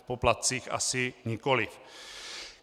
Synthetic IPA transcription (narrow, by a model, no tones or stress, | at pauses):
poplat̪̚t͡siːxa̰sɪɲɪkolɪ